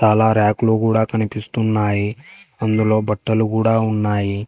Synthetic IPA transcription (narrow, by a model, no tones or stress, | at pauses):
t͡ʃaːlaːɾaːkluːkuːɽaːkɐnipist̪unːaːjiɐnd̪ulo̞ːbɐʈːɐlukuːɽaːunːaːji